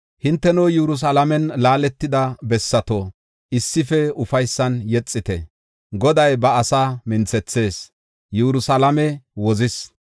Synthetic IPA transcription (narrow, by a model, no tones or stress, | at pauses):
hɪnt̪ːɛnoːjɛɾʊs̬alɐmɛnlaːlɛt̪ːɪd̪ɐbɛsːɐt̪o | ɪsːɪfɛʊfɐjsːɐnjɛt͡sʼːɪt̪ɛ̰ | ɡɔd̪ɐjbɐːsaːmɪnt͡sɛt͡sːe̞ːs | jɛɾʊsɐlɐmɛwɔzɪs